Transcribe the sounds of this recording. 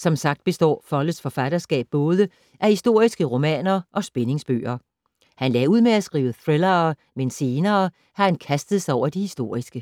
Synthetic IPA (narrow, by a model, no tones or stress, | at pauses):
sɒ̽msɑ̈ɡ̥̚d̥̚b̥e̝sd̥ɒ̰ːfɒ̽l̰̥əsfɒ̽fæd̥ɐsɡ̥ɛ̰ːb̥̚ːɔ̽ːð̞ˠə | ʔæhisd̥o̝ɐ̰isɡ̥əʁo̝mɛ̰ːnɐʔɒ̽sb̥ene̝ŋsb̥ø̰ːɐ | hænlɛ̰ːuð̞̰ˠmeæsɡ̥ʁḭːʊəθʁelɐ | mense̝ːnɐː | hɑ̈hænkʰæsd̥ð̞̩ˠsɑɒʊ̰ɐd̥ihisd̥o̝ːɐ̰isɡ̥ə